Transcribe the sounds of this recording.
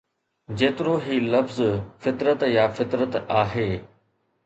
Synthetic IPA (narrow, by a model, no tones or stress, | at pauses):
d͡ʑeːt̪ɪɾoɦiːlɐfzfɪt̪ɾət̪jaːfɪt̪ɾət̪aːɦeː